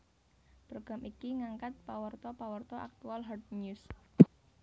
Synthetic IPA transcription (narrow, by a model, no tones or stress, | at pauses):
pɾoɡ̥a̤mʔikiŋaŋkat̪̚pawərt̪ɔpawərt̪ɔʔa̰k̚t̪ualɦɔrt̪̚ɲus